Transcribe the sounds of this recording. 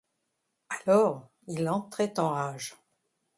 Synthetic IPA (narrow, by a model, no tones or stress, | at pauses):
alɔːʁ | ilɑ̃t̪χɛt̪ɑ̃ʁaːʒ